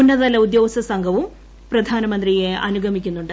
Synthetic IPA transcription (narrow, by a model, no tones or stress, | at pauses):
unːɐðɐlɐud̪jo̞ːsɐsɐŋɡʱɐʋum | prɐd̪ʱaːnɐmɐnd̪rijeɐ̰nuɡʱɐmikʲːunːuɳɖɨ